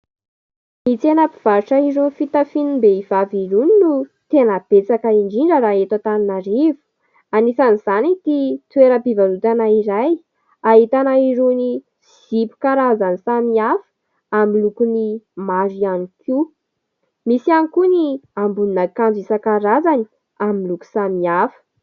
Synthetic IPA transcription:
mit͡senapi̥v̥aɾiʈ͡ʂaiɾunifit̪afinimbeiv̥aviɾuninut̪enəb̥et͡sakəiɳɖ͡ʐiɳɖ͡ʐəɾaet̪at̪aninaɾivu̥ | anisaniz̥anit̪it̪weɾəpivalut̪anaiɾaj | aɦit̪anaiɾuni | z̥ipu̥kaɾazanisamiafə̥ | amilukunimazianikʰu | misianikuniambuninakand͡zisakaɾazani̥ | amiluku̥samiafə̥

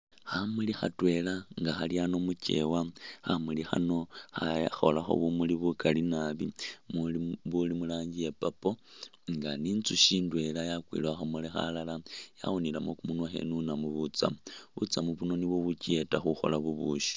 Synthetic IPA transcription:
xamulixa̰twe̞laŋɡaxaliano̞muce̞̰waxamulixa̰no̞xaxolaxo̞̰βumuliβukalinaβimβulimulaːɲɟije̞papo̞ | ŋɡaniːnt͡suʃiːndwe̞lajakwḭlaxamulexa̰lalaja̰wunilamokumunwaxḛnunamuβut͡sa̰muβṵt͡samuβuno̞niβwoβucetaxuxo̞̰laβuβuʃi̥

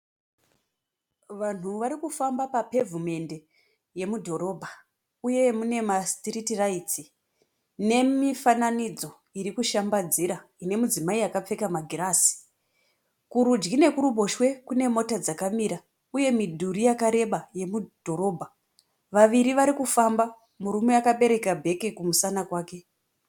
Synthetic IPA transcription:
ʋan̤uʋaɾikufambapape̞vume̞nde̞ | je̞mudʱo̞ɾo̞bʱa | uje̞mune̞mastiritirait͡si | ne̞mifananid͡zo̞ | iɾikuʃambad͡ziɾaine̞mud͡zimaiakap͡fe̞kamaɡʱiɾaːsi̥ | kuɾud͡ʒɡine̞kuɾuɓo̞ʃwe̞kune̞mo̞tad͡zakamiɾa | uje̞midʱuɾijakaɾe̞ɓaje̞mudʱo̞ɾo̞bʱa | ʋaʋiɾiʋaɾikufamba | muɾumeakaɓe̞ɾe̞kabʱe̞ke̞kumusanakwaːke̞

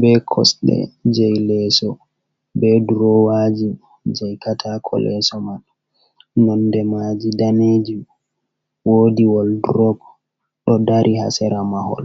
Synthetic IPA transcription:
bɛkʰɔ̰sɗɛ̰d͡ʒɛjlɛsɔ | bɛduɾɔwad͡ʒi | d͡ʒɛjkatʰakʰɔ̰lɛ̰sɔman | nɔndɛmad͡ʒidaned͡ʒi | woːdiwɔlduɾɔb | ɗɔdaɾʔiha̰sɛɾamahɔ̰l

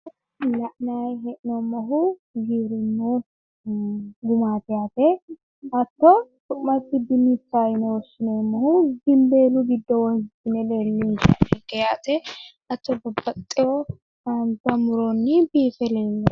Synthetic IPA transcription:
lɐʔnajɦɛʔnɔmːɔɦʊɡiːɾɪnːu | ɡʊmaːt̪ɛjaːt̪ɛ | ɐt̪ːɔt̪ʊʔmːɐt̪ːɪd̪ɪnit͡sːaːjɪnɛwɔʃɪnemːɐhʊɡɪmbeːlʊɡɪd̪ːɔwɔhɪtːɪnɛleːlːɪnʃa̰ɛɡɛjat̪ɛ | ɐt̪ːɔbɐbːɐt̪ʼːɪjɔ | ant̪ɐmʊɾonːɪbiːfɛleːlːɛ

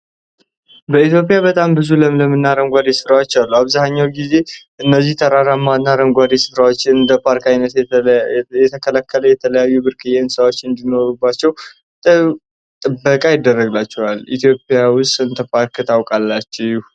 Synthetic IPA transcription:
bəit̪jo̞pʼijaβət̪ʼambɨzuləmləmɨnːaɾəmɡʷad̪esɨfɾawat͡ʃːɛwalːuaβzahɲːawɡize̞ʔɨnːəzːiht̪ʰəɾaɾamːanːaɾəmɡʷad̪esɨ̥fɾawot͡ʃːɪnɨnd̪əpʰaɾkajnət̪ | jɛt̪ʰəkʰəlakːələjɛt̪ʰələjajːubɨɾkʰʼɨjensəwo̞t͡ʃːɨnd̪ino̞ɾubːat͡ʃːɛw | t̪ɨ | t̪ʼɨbːəkʼajɪd̪ːərːəɡlat͡ʃːɛwalʔḭt̪jo̞pʼjawʊst̪ʼɨnt̪ʰəpʰaɾkɨt̪ʰawkʼalːat͡ʃːɛu

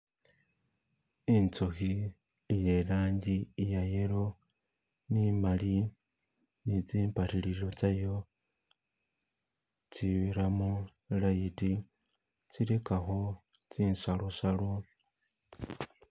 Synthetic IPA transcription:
int͡soxi | jelaːɲɟijajelo | nimali | nit͡siːmpatiliɾo̞t͡sajo | t͡siβiɾamu | laiti | t͡silekaxo | t͡siːnsalosalo

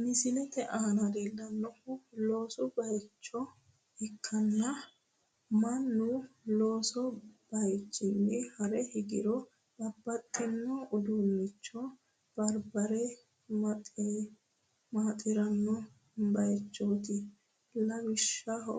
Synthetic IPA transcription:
mɪsɪlɛt̪ɛʔaːnɐd̪eːlːɐnːɔʊlo̞ːsɔbɐjt͡ʃːɔ | hɪkʰːɐnːɐ | mɐnːʊlo̞ːsɔb̥ɐjt͡ʃʼːɪmːɪhɐɾɛhɪɡɪ̰ɾɔ | bɐbːɐt̪ʼːɛnːɔʊd̪unːɪt͡ʃːɔ | b̥ɐɾbɐɾɛ | mɐt̪ʼ | maːt̪ʼɪɾɐnːɔ | bɐjt͡ʃːoːt̪ɪ | lɐbɪʃːɐɔ

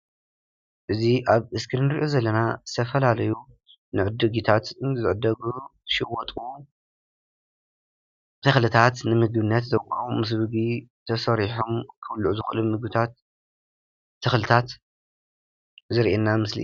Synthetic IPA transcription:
ʔɨziʔaβɨskʰɨɾnɨɾiʔozɐlːɐnaz̥ɨ̥t̪ʰɐfɐlalɐju | nɨʕɨd̪ɨɡit̪ʰat̪zɨʕɨd̪ːɐɡutɨ̥ʃɨwːɔt̪ʼu | t̪ʰɨxlɨt̪ʰat̪nɨmɨɡbɨnːɐt̪zɐkʼːɐmɨs̬βɨɡit̪ʰɐsɐɾiħomkʰɨβlʕuzɨxɨlɨmːɨɡbɨt̪ʰat̪̚ | ɨxlɨt̪ʰat̪ | zɨɾʔenamɨslḭ

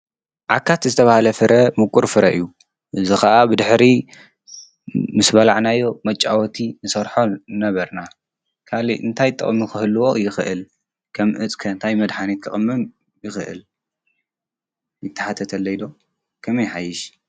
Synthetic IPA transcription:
ʕakʰːat̪zɨt̪ʰɐβahalɐfɨɾʔɐmɨkʼːuɾfɨɾɐʔɨjːu | ʔɨzixɐʔabɨd̪ɨħɾi | mɨsbɐlaʕnajːo̞mɐt͡ʃʼːawɔt̪ʰinɨsɐɾħonɐβɐɾna | kʰaliʔɨ̰nt̪ʰajt̪ʼːɐ̰χʼmːixɨhɨlːuwo̞jɪxɨʔɨl | kʰɐmʔɨt͡sʼkʰɐnt̪ʰajmɐd̪ħanet̪kʰɨχʼɨmːɨm | jɪxɨʔɨ̰l | jɪt̪ʰːɐ̥ħat̪ʰɐt̪ʰɐlːojid̪o̞ | kʰɐmɐjħajɪʃ

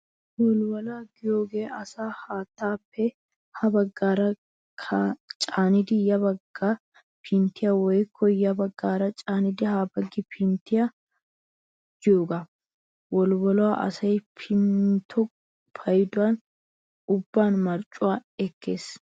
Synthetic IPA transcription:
wɔlwɐlaːɡɪjoːɡeːɐsaːhaːt̪ːaːpːɛ | hɐbɐɡːaːɾɐ | kʰɐt͡ʃʼaːnɪd̪ɪjɐbɐɡːa | pʰɪnt̪ɪjɐwɔjkʰːɔjɐbɐɡːaːɾɐt͡ʃʼaːnɪd̪ɪhaːbɐɡːɪpʰɪnt̪ɪjɐ | d͡ʒoːɡɐ | wɔlwɐlʊwaʔɐ̰sɐjpʰɪnt̪ʰɔ | pʰɐjɪd̪ʊwan | ʊbːaːnmɐɾt͡ʃʼʊwaːɛkːe̞ːs

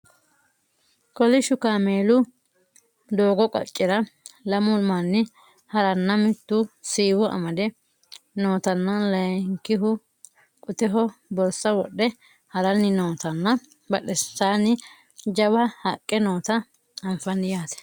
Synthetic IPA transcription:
kɔlɪʃʊkaːmeːlʊ | d̪oːɡɔkʼɐ̰t͡ʃʼːɪɾɐlɐmʊlmɐnːɪ | hɐɾɐnːɐmɪt̪ːʊsiːwɔʔɐ̰mɐd̪ɛ | noːt̪ɐnːɐlɐjŋkːɪɦʊ | kʼʊt̪ɛɦɔbɔɾsɐwɔ̰ɗːɛ | hɐɾɐnːɪnoːt̪ɐnːɐ | bɐɗɛsaːnɪ | d͡ʒɐbɐhɐkʼːɛnoːt̪ɐ | ɐɱfɐnɪjaːt̪ɛ̥

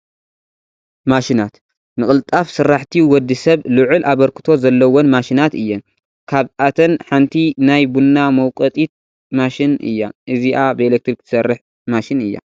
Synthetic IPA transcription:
maʃinat̪ | nɨkʼɨlt̪ʼafsɨrːaħt̪ʰiwɔd̪ːɨsɐβlɨʕʊlʔaβɐɾkɨ̥t̪ʰo̞zɐlːɐwonmaʃinat̪ɨjːɐn | kʰaβat̪ʰɐnħant̪ʰinajbunːamɐwkʼɐt̪ʼit̪̚ | maʃinɨ̰jːaʔɨziʔabɨelek̚t̪ɾikt̪ʰɨ̥sɐrːɨħ | maʃɪnɨjːa̰

